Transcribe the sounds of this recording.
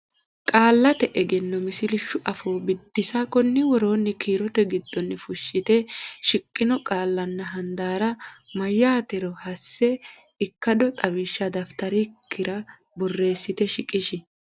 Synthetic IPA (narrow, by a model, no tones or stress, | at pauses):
kʼaːlːɐt̪ɛʔɛɡɛnːɔmɪsɪlɪʃːʊʔɐfoːbɪd̪ːɪsakɔnːɪwɔɾo̞ːnːɪkiːɾɔt̪ɛɡɪd̪ːɔnːɪfʊʃːɪt̪ɛʃɪkʼːɪnɔkʼaːlːɐnːɐɦɐnd̪aːɾɐmɐjːaːt̪ɛɾɔhɐsːɛ | ɪkːɐd̪ɔt̪ʼɐwɪʃːɐd̪ɐft̪ɐɾɪkʰːɪɾɐ | bɔrːe̞ːsːɪt̪ɛʃɪkʼɪʃɪ